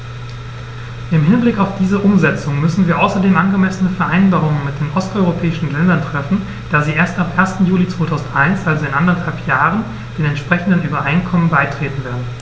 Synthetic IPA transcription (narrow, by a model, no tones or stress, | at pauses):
ʔɪmɦɪnblɪkaʊfd̥iːzəʔʊmzɛt͡sʊŋmʏsn̩viːɐʔaʊsɐdeːmʔanɡəmɛsənəfɛɐʔaɪnbaːʁʊŋənmɪt̚d̥eːnʔɔstʔɔʏʁopʰɛːɪʃn̩lɛndɐntʁ̥ɛfn̩ | d̥aːziːʔeːɐstapʔeːɐstn̩juːlit͡sv̥oːtʰaʊzn̩tʔaɪnsʔalzoɪnʔandɐthalpjaːʁ̞ən | d̥eːnɛntʃpʁ̥ɛçn̩dənʔyːbɐʔaɪnkʰɔmənbaɪtʁ̥eːtn̩veːɐdn̩